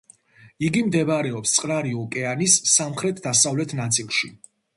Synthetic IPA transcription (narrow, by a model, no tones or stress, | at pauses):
iɡimd̪ɛbaɾɛɔpst̪sʼqʼɾaɾiɔkʼɛanisːamχɾɛt̪ʰd̪asavlɛt̪ʰnat̪sʼilˠʃi